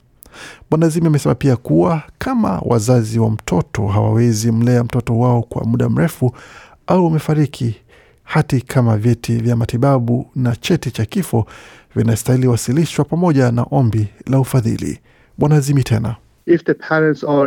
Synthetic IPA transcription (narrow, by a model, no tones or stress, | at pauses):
ɓwanazimiamɛsɛmapiakuwakʰama̰wʔa̰zaziwam̩tʰɔtɔ̰ɦa̰wa̰wɛzim̩lɛam̩tɔtɔwaɔkwa̰muɗam̩ɾɛfu | auwamɛfaɾikʰi | hatikʰamavjɛtʰivjamatiɓaɓunat͡ʃɛtit͡ʃakifɔ | vinaɔstailiwasiliʃwapamɔʄana̰ʔɔmbilaufaðḭlḭ | ɓwanazimitʰɛna̰ | ɪfdəpʰɛɹɛ̃ntsɔ